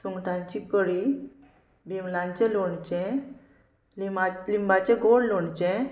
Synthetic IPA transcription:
suŋɡʈʰãɲt͡ɕikəɽi | bimlãɲt͡ɕɛ̃loɳt͡ɕɛ̃ | ialimbat͡ɕɛ̃ɡoɽloɳt͡ɕɛ̃

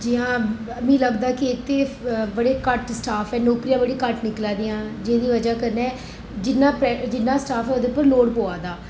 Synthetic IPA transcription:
d͡ʒɪãː | mĩːləɡd̪aːkɪɪt̪ːeːbəɽeːkəʈsʈaːfʰɛːnoːkɾijãːbəɽiːkəʈnɪklaːd̪ijãːd͡ʒeːd̪iːʋəd͡ʒaːkəɾnɛː | d͡ʒɪnːãːpɾɛd͡ʒɪnːãːsʈaːfʰɛːoːd̪eːpəɾloːɽpoːaːd̪aː

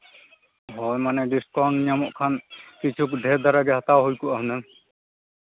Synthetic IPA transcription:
ɦɔjmanɛdiskɔɹnnijamɔʔkʰankit͡ʃʰukdʱɛd̪aɾaɡɛhat̪awɦojkuaɦunɛm

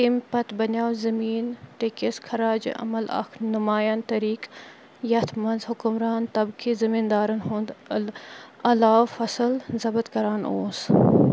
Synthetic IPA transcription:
impɐt̪bɐnʲaːwzɐmiːnʈekeskʰɐɾaːd͡ʒ̰ʔɐ̰mɐlɐ̰kʰnʊmaːjaːnt̪ɐɾiːk | jɐt̪ʰmɐnzhʊkʊmɾaːnt̪ɐbkʰizɐmiːnd̪aːɾɐnɦũːnd̪ | ɐlaːwfɐsəlzɐbət̪kɐɾaːno̰ːs

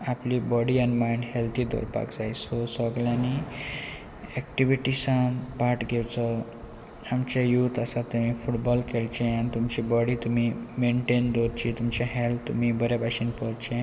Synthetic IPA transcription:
aplibɔɽianmajɳɖɦelt̪ʰid̪ʱo̰ɾpa̰kd͡zajsosəɡljãni | ɛkʈiʋiʈisãnpaʈɡʱewt͡sɔ | amt͡ɕajut̪asat̪ːəmifʰuʈbɔlkelt͡ɕẽanit̪umt͡ɕibɔɽit̪umimeɳʈend̪oɾt͡ɕit̪umt͡ɕaɦelt̪ʰːum̤ibəɾjabaɕinpɔɾt͡ɕẽ

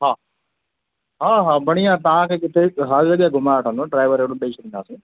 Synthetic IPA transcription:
ɦaː | ɦaːɦaːbəɽ̃ijãːt̪̬ɐʋãːkeːkɪt̪ʰeːɦəɾd͡ʒɐɠjaːɡʱʊmaːəʈʰə̃nd̪õːɖɾaːɪʋəɾeːkɽõːɓeːʃɾĩnd̪aːsẽː

